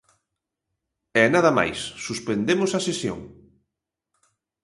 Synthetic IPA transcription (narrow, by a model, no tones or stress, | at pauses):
ɛnaðɐma̰jsːuspend̪emʊsɐsesjo̰ŋ